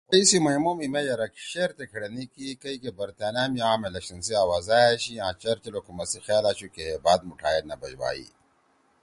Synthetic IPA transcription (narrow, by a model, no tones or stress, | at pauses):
kɐisimɐɦimoːmimejɐɾɐkʃeːɾt̪ekʰɐɽɐnikikɐikebɐɾt̪aːnaːmiãːmelɐkʃɐnsiaːwaːzaːjaɕiãːt͡ʃɐɾt͡ʃɐlokumɐsixaːlaːɕukeeːbaːd̪̚muʈʰaːjenɐbɐd͡ʑwa̰ːḭː